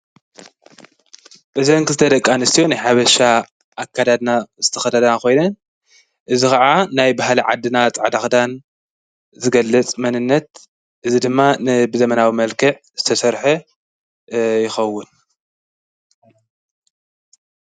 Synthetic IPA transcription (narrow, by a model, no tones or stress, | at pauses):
ʔɨzɐŋkɨzɨt̪ʰɐd̪ɐkʼːanɨst̪ʰijo̞najħaβɐʃa | ʔːkʰːad̪ad̪naz̥ɨt̪ʰɐxɐd̪ʰɐd̪ɐnako̞jnɐn | ʔɨzixɐʕanajbaɦliʕa̰d̪ɨnat͡sʼʕd̪axd̪an | zɨɡɐlːɐt͡sʼmɐnɨnːɐt̪̚ | ʔɨzid̪ɨmːanɨbɨzɐmɐnawimɐlkʰɨʕ | z̥ɨt̪ʰɐsɐɾħɐ | jɪxɐwːʊn